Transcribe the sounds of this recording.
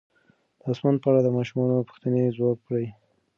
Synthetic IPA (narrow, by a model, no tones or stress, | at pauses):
d̪̥əasmand̪̚pəaɽad̪əmɑʃumɑnopu̥xt̪ənezwɑɡ̚kɽəj